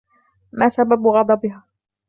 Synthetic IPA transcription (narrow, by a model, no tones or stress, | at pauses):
maːsababɣɑd̪ˤɑbɪɦaː